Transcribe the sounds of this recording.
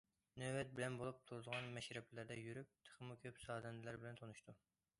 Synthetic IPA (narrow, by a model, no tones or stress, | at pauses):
nøwɛt̪̚bɪlɛnbolˠup̚t̪ʰuɾɨd̪əʁɑnmɛʃɾɛblæɾd̪ɛjyɾyk̚ʲt̪ʰə̥χəmukʲʰøpsɑːd̪ɛnd̪læɾbɪlɛnt̪ʰonuʃt̪u